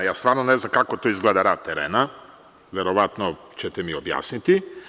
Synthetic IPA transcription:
jast̪vaɾnonɛznamkakot̪ɔizɡlɛd̪aɾat̪ːɛɾɛ̰na | vɛɾovat̪no | t͡ʃɛt̪ɛmiobja̰snit̪i

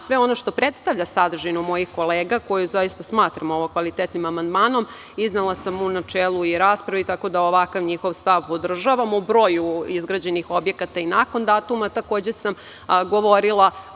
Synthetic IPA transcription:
sʋeo̞no̞ʃt̪o̞pɾet̪st̪aʋʎasad̪r̩ʒinumo̞jixko̞leːɡako̞juzajist̪asmaːt̪ɾamo̞ʋokʋalˠit̪et̪nimamand̪maːno̞m | iznelˠasamunat͡ʃeːlˠuiɾaːspɾaʋit̪ako̞d̪aoʋakaʋɲixo̞ʋst̪aʋpo̞d̪r̩ʒaʋamubɾo̞ːjuizɡɾad͡ʑenixo̞bje̞kat̪ainako̞nd̪aːt̪umat̪ako̞ːd͡ʑesam | ɡo̞ʋo̞ɾilˠa

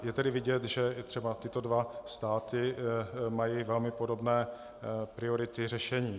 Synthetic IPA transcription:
jɛt̪ɛdɪvɪɟɛt̪ʒɛt̪r̥ɛbat̪ɪt̪odvast̪aːt̪ɪmajivɛlmɪpodo̞bnɛː | pɾɪoɾɪt̪ɪrɛʃɛɲiː

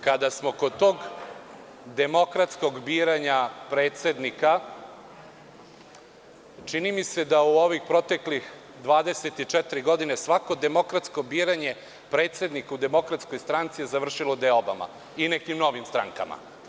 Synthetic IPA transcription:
kad̪asmo̞kod̪t̪o̞ːɡ | d̪e̞mo̞kɾat̪sko̞ɡbiːɾaɲapɾeːt̪se̞d̪nika | t͡ʃinimise̞d̪auoʋixpɾo̞t̪e̞klix | d̪ʋaːd̪eset̪it͡ʃɛt̪iɾiɡo̞d̪ine̞sʋako̞d̪e̞mo̞kɾat̪sko̞biːɾaɲe̞ | pɾe̞ːt̪se̞d̪nikaud̪e̞mo̞kɾat̪sko̞jst̪ɾant̪sijezaʋr̩ʃilo̞d̪eoba̰ma̰ | inekimno̞ʋimst̪ɾa̰ŋka̰ma̰

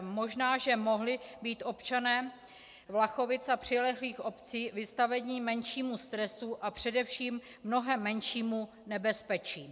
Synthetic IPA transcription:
mo̞ʒnaːʒɛmo̞ɦlɪbiːt̪ʔo̞pt͡ʃanɛː | vlaxo̞vɪt͡sapr̝̥ɪlɛxliːxo̞pt͡siːvɪst̪avɛɲiːmɛnʃiːmust̪ɾɛsuʔapr̝̥ɛdɛfʃiːmː | no̞ɦɛmːɛnʃiːmu | nɛbɛspɛt͡ʃiː

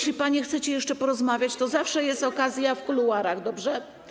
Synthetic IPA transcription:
ɕlʲipaɲɛxt̪sɛt͡ɕɛjɛʂt͡ʂɛpɔɾɔzmavʲjat͡ɕt̪ɔzafʂɛjɛst̪ɔkazʲjafkuluaɾaɣd̪ɔbʐɛ

